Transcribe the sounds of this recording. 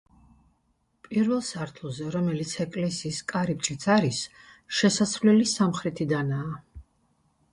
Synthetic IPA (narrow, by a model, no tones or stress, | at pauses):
pʼiɾvɛlˠsaɾt̪ʰulˠzɛɾɔmɛlit̪sʰɛkʼlɛsiːskʼaɾip̚ʼt͡ʃʼit̪sʰaɾisʃɛsasvlɛlisamχɾɛt̪ʰid̪anaː